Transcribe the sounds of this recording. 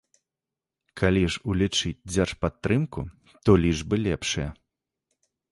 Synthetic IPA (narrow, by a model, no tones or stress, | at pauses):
kʰalʲiʐulʲit͡ʂɨt͡sʲd͡zʲarʂpat̪ːɾɨmku | t̪ɔlʲiʐbɨlʲɛpʂɐjɐ